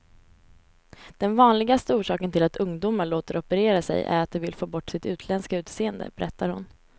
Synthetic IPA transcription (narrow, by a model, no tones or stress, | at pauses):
d̪̥ɛnvɑːnlɪɡast̪əuːʂɑːkənt̪ʰɪlat̪ɵŋd̪uːmaɭoːt̪əɾɔpəɾeːɾasɛ̰jʔæ̰ɾat̪̚d̪ɛvɪlfoːbɔʈːsɪt̪ʉ̟ːt̪ʰlɛnskaʉ̟ːt̪seːənd̪ə̰bɛɾɛt̪ːaɾhʊn